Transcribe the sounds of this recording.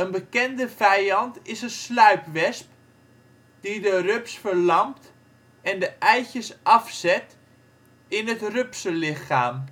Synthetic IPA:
ənbəkɛndəvɛjɑntɪsənslœɥpʋɛsp | d̥idərøpsfəɹlɑmpt | ɛndəʔɛjçjəsʔɑfsɛt | ɪnətrøpsəlɪxaːm

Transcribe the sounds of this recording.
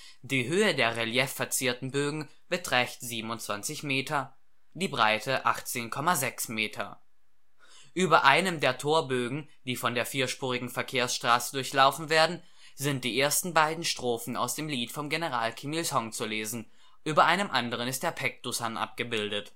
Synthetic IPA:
d̥iːɦøːədeːɐʁeljɛfːɛɐt͡siːɐtn̩bøːɡŋ̩ | b̥ətʁ̥ɛçtz̥iːbm̩ʊntt͡sv̥ant͡sɪçmeːtʰɐ | d̥iːbʁaɪtʰəʔa̰χt͡seːnkʰɔmazɛksmeːtʰɐ̰ | ʔyːbɐʔaɪnəmdeːɐtʰoːɐbøːɡŋ̩ | d̥iːfɔndeːɐfiːɐʃpuːʁ̞ɪɡŋ̩fɛɐkʰeːɐsʃtʁ̥aːsədʊɐçlaʊfn̩veːɐdn̩ | zɪnt̚d̥iːʔeːɐstn̩baɪdn̩ʃtʁ̥oːfn̩a̰ʊsd̥eːmliːtfɔmɡenəʁaːlkʰimilshɔŋt͡suleːzn̩ | ʔyːbɐʔaɪnəmʔandəʁənɪstd̥eːɐpʰɛk̚d̥usanʔa̰p̚ɡ̥əbɪldət

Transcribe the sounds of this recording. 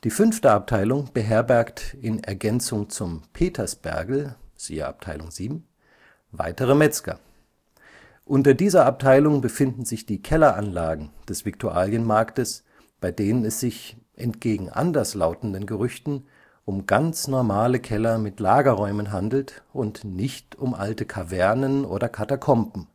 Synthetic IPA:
d̥iːfʏnftəap̚tʰaɪlʊŋb̥əɦɛɐbɛɐktɪnɛɐɡɛnt͡sʊŋt͡sʊmpʰeːtʰɐsb̥ɛ̰ɐɡl̩z̥ḭːə̰ʔa̰p̚tʰa̰ɪlʊŋz̥iːbm̩ | va̰ɪtəʁəmɛt͡skɐ̰ | ʔʊntɐdiːzɐap̚tʰaɪlʊŋbəfɪndn̩zɪçd̥iːkʰɛlɐʔanlaːɡŋ̩d̥ɛsv̥ɪktʰuʔa̰ːljənmaɐktəs | b̥aɪdeːnənɛsz̥ɪç | ʔɛntɡ̥eːɡŋ̩ʔa̰ndɐslaʊtn̩dənɡəʁʏçtn̩ | ʔʊmɡ̥ant͡snɔɐmaːləkʰɛlɐmɪtlaːɡɐʁɔʏmənɦandl̩tʔʊntnɪçtʊmʔaltəkʰavɛɐnənʔo̰ːdɐkʰatakʰɔmpm̩

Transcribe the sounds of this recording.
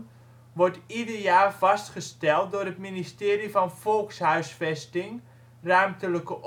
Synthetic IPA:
ʋɔrtidərjaːrvɑstχəstɛlˠt̚dʊːɾətministɪːrifɔnfɔlˠkshœɥsfɛstɪŋ | rœɥmtələkəʔ

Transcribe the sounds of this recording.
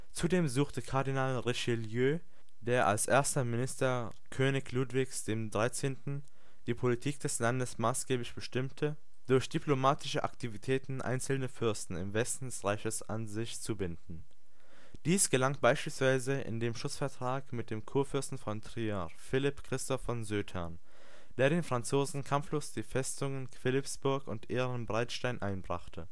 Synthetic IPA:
t͡sudeːmzuːxtəkʰaɐdinaːlʁeʃɪljøː | deːɐʔa̰lsʔeːɐstɐmɪnɪstɐ | kʰøːnɪçluːtv̥ɪçsd̥eːmdʁaɪt͡seːntn̩ | d̥iːpʰolitʰiːk̚d̥ɛslandəsmaːsɡ̥eːblɪçb̥əʃtɪmtʰə | d̥ʊɐçd̥ipʰlomaːtʰɪʃəʔa̰ktʰivitʰɛːtn̩ʔa̰ɪnt͡sl̩nəfʏɐstn̩ɪ̰mvɛstn̩dɛsʁaɪçəsa̰nzɪçt͡subɪndn̩ | d̥iːsɡ̥əlaŋb̥aɪʃpiːlsv̥aɪzəʔɪ̰ndeːmʃʊt͡sfɛɐtʁ̥aːkmɪt̚d̥eːmkʰuːɐfʏɐstn̩fɔntʁ̥ia | fɪlɪpkʁ̥ɪstɔfɔnzøːthɛɐn | d̥eːɐɾeːnfʁ̥ant͡soːzn̩kʰamfloːsd̥iːfɛstʊŋənkv̥ɪlɪpsb̥ʊɐkʊntʔeːʁənbʁaɪtʃtaɪnʔaɪnbʁa̰χtʰə

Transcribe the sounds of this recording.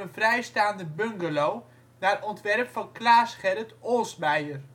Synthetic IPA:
ənvrɛjstaːndəbøŋɡəlow | naːrɔntʋɛrpfɑnklaːsχɛɾətoːsmɛjər

